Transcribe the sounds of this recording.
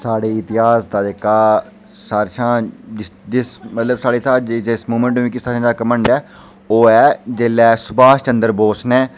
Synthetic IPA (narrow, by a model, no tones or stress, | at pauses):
saːɽeːɪt̪ɪɦaːsd̪aːd͡ʒekaː | saːɾʃãːd͡ʒɪsɪsmət̪ləbsaːɽeːsaːd͡ʒd͡ʒɪsmuːmə̃ɳʈːĩːkɪsaːʃãːd͡ʒ̪aːkəməɳɖɛː | oːɛːd͡ʒeːlːɛːsʊbaːst͡ʃə̃nd̪əɾboːsnɛ̃ː